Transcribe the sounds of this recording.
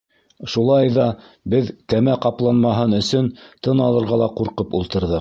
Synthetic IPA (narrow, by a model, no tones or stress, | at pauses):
ʃulˠɑjðɑ | bɘðkæmæqɑplˠɑnmɑɦɤnɵ̆sɵnt̪ɤnɑlˠɤ̆ɾʁɑlˠɑquɾqɤpulˠt̪ɤ̆ɾðɤ